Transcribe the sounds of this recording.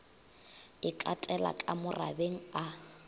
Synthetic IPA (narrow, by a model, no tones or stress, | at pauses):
ɪkʼatʼɛla̰kʼamʊra̰beŋ̩a